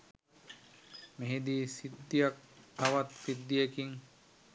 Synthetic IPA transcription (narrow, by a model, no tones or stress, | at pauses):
meɦid̪iːsid̪ːijak̚t̪ʰaʋat̪pid̪ːijekiŋ